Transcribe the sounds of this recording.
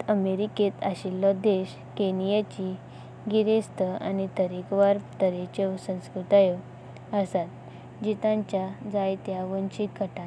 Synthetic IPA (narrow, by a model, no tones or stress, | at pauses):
əmeɾiket̪a̰ɕilːɔd̪eɕ | kenijat͡ɕi | ɡiɾest̪əa̰nit̪əɾikʋaɾt̪əɾet͡ɕesə̃w̃skɾut̪ajə | əsat̪ | d͡ʑit̪ãɲt͡ɕjad͡zajt̪jaʋənt͡ɕikəʈa